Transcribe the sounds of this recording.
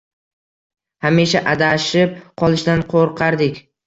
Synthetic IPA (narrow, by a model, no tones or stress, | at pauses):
hamɪʃaʔad̪aʃɪp̚qʰɒlˠɪʃd̪anqʰoɾqʰɑɾd̪ɪkʲ